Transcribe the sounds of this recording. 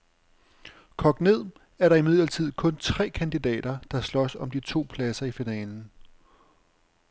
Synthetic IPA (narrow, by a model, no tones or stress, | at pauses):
kʰɒ̽ɡ̥ne̝ð̞̰ˠ | æɐɾɑ̈imið̞̰ˠlɐt͡sʰið̞̰ˠkʰɔ̽nt͡sʰʁɛ̰ːkʰænd̥id̥ɛ̰ːɾ̥ɐd̥ɑ̈slɒ̽sɒ̽md̥it͡sʰo̝̰ːpʰlæsɐifinɛːln̩